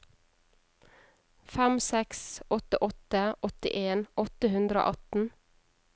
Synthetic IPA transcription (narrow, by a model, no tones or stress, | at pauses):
fæmsɛksʔɔt̪əʔɔt̪əʔɔt̪ɪ̰ʔeːnɔt̪əhʉnd̪ɾəo̰ːʔɑt̪n̩